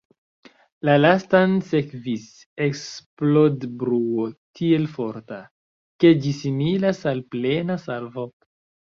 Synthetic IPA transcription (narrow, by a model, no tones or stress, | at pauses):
lalastanse̞kvis | eksplodbɾuotʰie̞lfo̞ɾta | ke̞d͡ʒisimilasalple̞nasalvo